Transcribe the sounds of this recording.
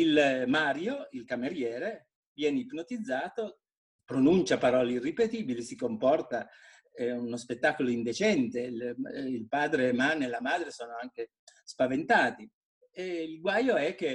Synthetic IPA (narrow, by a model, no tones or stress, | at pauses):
ilmaːɾjoilkameɾjɛːɾe | vjɛːneipnot̪id̪zːaːt̪o | pɾonunt͡ʃapaɾɔːleirːipet̪iːbilisikompɔrt̪a | ɛunospet̪ːakoloind̪et͡ʃɛnt̪e | ilpaːd̪ɾemanelamaːd̪ɾesoːnoaŋk̟e | spavent̪aːt̪i | eilɡwaːjoɛk̟ːe